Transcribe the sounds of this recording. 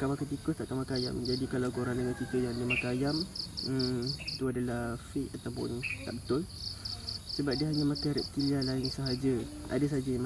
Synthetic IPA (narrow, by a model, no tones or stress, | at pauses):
kamakat̪̬ikʊst̪aʔkamakaaja̰md͡ʒadikalawɡoɾandəŋankit̪əjaŋdəmakaːjaməit̪uadalahfiʔat̪awpʊ̰nt̪a̰ʔbət̪ʊl | səbap̚diəɦaɲamakaɾɛp̚t̪ilialaɪŋsəɦad͡ʒə | ʔa̰dəs̬aɦad͡ʒajam